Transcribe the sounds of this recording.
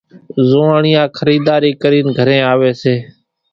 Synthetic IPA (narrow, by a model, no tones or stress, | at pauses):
zoːaːɳɪjãːkʰəɾiːd̪aːɾiːkəɾiːnɡʱəɾẽːaːʋeːseː